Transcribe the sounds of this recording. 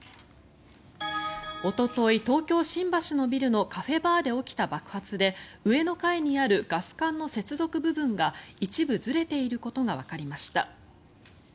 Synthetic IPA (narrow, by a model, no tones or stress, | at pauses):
o̞t̪o̞t̪o̞it̪o̞ːkʲo̞ːɕĩmbaɕino̞bʲiɾɯ̟no̞kaɸe̞baːd̪e̞o̞kʲi̥t̪abakɯ̟̥hat͡sɨd̪e̞ɯ̟e̞no̞kaiɲ̟iaɾɯ̟ɡ̥asɨ̥kãnːo̞se̞t͡sɨzo̞kɯ̟bɯ̟bɯ̟̃ŋɡait͡ɕibɯ̟zɨɾe̞t̪e̞iɾɯ̟ko̞t̪o̞ɡaβ̞akaɾʲimaɕi̥t̪a̰